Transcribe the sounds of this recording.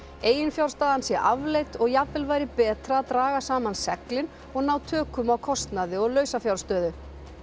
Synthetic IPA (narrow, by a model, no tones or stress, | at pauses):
eːjɪnfjawɾ̥st̪aːðansjɛʔavlejt̪ɔɣjapvɪlvaːjɾɪpɛːt̪ɾaːðt̪ɾaːɣasaːmansɛklɪn | ɔɣnawt̪ʰœːkʏmawkʰɔst̪naðɪɔɣlœːɥsafjawɾrst̪œːðʏ